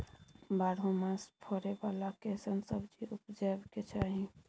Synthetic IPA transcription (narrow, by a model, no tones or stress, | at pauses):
baɽɦũmãspʰɔɾebalakesənsəbd͡ʒiʔupd͡ʒəbket͡ʃʰaɦi